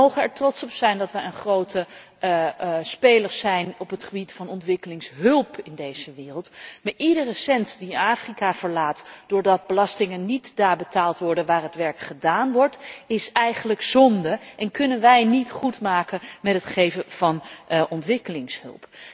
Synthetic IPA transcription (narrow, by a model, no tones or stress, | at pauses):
owχənɛɹtrɔtsɔpsɛjndɑtʋɛjənχrowtə | spejləɹzɛjnɔpɦətχəbitfɑnɔntʋɪkəlɪŋsɦɵlˠpɪndejz̥əʋɪːrəlˠtmaːɹʔidərəsɛntdiaːfrikavəɹlaːtd̥ʊːɹdɑt̚bəlɑstɪŋənnitdaːɹbətaːlˠtʋɔɹdənʋaːrɦətʋɛɹkχədaːnʋɔɹtɪsɛjχənləkzɔndəʔɛnkɵnənʋɛjnitχutmaːkənmɛtɦətχejvənv̥ɑnʔɔntʋɪkəlɪŋshɵ̰lˠp